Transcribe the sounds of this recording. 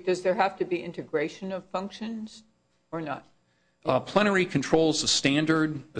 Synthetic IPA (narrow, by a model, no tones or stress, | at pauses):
d̥ʌzðə˞ɦæftɨbiʔɪ̰̃ntɨɡɹeɪʃɨ̃nʌv̥fʌ̃ŋkʃɨ̃nz̥ | ə˞nə̰t̚ | pʰl̥ɛñə˞ikʰn̩tʰɹ̥oʊlˠzðəstæ̃ndə˞d̚ðɨ